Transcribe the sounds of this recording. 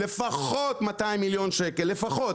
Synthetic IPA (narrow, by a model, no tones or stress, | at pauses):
lefaχot̪mat̪aimiljo̞nʃeke̞lːe̞faχo̞t